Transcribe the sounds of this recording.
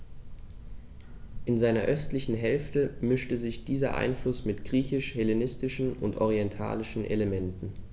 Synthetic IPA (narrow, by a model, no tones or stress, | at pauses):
ʔɪnzaɪnɐʔœstlɪçn̩ɦɛlftəmɪʃtəzɪçd̥iːzɐ̰ʔa̰ɪnflʊsmɪtɡ̥ʁiːçɪʃhɛlenɪstɪʃn̩ʊ̰ntʔɔʁiɛntʰa̰ːlɪʃn̩ʔḛləmɛntn̩